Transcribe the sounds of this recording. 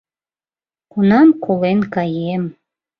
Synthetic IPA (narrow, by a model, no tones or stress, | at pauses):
kunɑmkʰolenkɑjem